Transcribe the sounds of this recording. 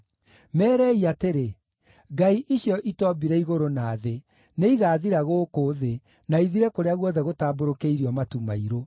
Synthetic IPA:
mɛːɾɛiateɾe | ɡaiʔiɕjɔʔitɔbiɾɛiɣoɾonaːðe | neiɣaːðiɾaɣoːkoðe | naiðiɾɛkoɾeaɣwɔðɛɣotaːboɾokeiɾiɔmatumaiɾo

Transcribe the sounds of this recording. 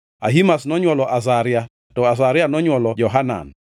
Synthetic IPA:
a̰ɦimasnɔɲwɔlɔʔas̬aɾɪa | tɔas̬aɾɪanɔɲwɔlɔd͡ʒɔɦana̰n

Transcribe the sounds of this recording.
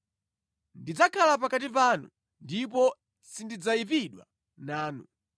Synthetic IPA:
ndid͡zakʰalapakatip̬anṵ | ndipɔ | sindid͡zaipiɗwa̰ | naːnu

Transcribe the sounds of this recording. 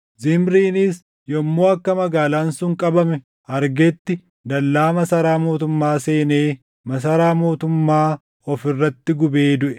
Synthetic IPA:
zɪmɾiːnɪs | jɔmːoːɐkːɐmɐɡaːlaːnsʊŋkʼɐbɐmɛ | ɐɾɡɛt̪ːɪ | d̪ɐlːaːmɐsɐɾaːmo̞ːt̪ʊmːaːse̞ːneː | mɐs̬ɐɾaːmo̞ːt̪ʊmːaː | ɔfɪrːɐt̪ːɪɡʊbe̞ːd̪ʊʔɛ̥

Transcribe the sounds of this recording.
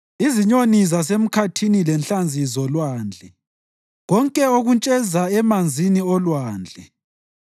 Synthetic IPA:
iziɲonizasem̩kʰatʰinilɛnɬand͡zʱizɔlwaːnd͡ɮʱɛ | ɣɔŋkʼɛoɣunt͡ʃʼɛzaɛmand͡zʱiniɔlwaːnd͡ɮʱɛ

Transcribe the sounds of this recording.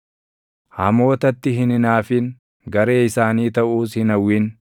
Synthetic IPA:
hɐ̰mo̞ːt̪ɐt̪ːɪɦɪnɪnaːfɪŋ | ɡɐɾe̞ːɪsaːniːt̪ɐʔuːshɪnɐwːin

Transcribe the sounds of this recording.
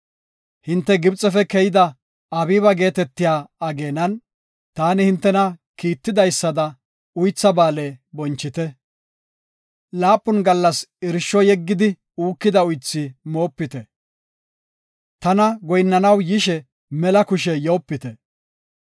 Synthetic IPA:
hɪnt̪ːɛɡɪbt͡sʼɛfɛkɛjɪd̪ɐ | ɐbiːbɐɡe̞ːt̪ɛt̪ːɪjaːɐɡe̞ːnɐn | t̪aːnɪhɪnt̪ːɛnɐkiːt̪ːɪd̪ɐjsːɐd̪ɐ | ʊjt͡sːɐbaːleːbɔnt͡ʃːɪt̪ɛ | laːpːʊnɡɐlːɐsɪɾʃːɔjɛɡːɪd̪ɪ | uːkːɪd̪ɐʊjt͡sːɪmo̞ːpːɪt̪ɛ | t̪ɐnɐɡɔjnːɐnɐwjɪʃɛ | mɛlɐkʊʃɛjoːpːɪt̪ɛ

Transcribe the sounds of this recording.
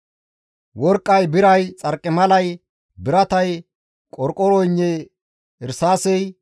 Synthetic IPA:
wɔɾkʼːɐjbɪɾɐjt͡sʼɐɾkʼːɪmɐlɐj | bɪɾɐt̪ɐj | kʼɔɾkʼɔɾɔjɲːɛ | ɪɾsaːsɛj

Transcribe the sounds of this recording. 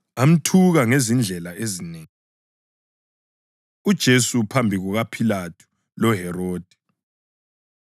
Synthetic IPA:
am̩tʰuɣaŋezind͡ɮʱɛlaʔezineːŋi | ud̥ʒ̥ʱesupʰambʱiɣuɣapʰilatʰu̥ | lɔɦɛroːd̥ʱɛ

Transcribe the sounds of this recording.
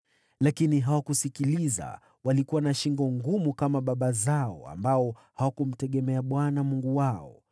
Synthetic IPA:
lakiniɦawakusikiliza̰ | walikuwanaʃiŋɡɔŋɡumukamaɓaɓazaɔ̰a̰mbaɔhawakum̩tɛɠɛmɛaɓwanamuŋɡuwaɔ

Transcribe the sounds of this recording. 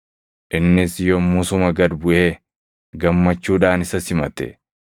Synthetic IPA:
ʔɪnːɪsjɔmʊsʊmɐɡɐd̪bʊʔeː | ɡɐmːɐt͡ʃːuːᶑaːnɪsɐsɪmɐ̰t̪ɛ̰

